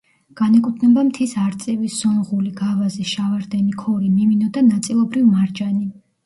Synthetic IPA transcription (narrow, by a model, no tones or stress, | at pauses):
ɡ̥anɛkʼut̪ʰnɛbamt̪ʰisaɾt̪sʼɛvisz̥ɔnʁuliɡavaziʃavaɾd̪ɛnikʰɔɾimiminɔd̪anat̪sʼilˠɔbɾivmaɾd͡ʒani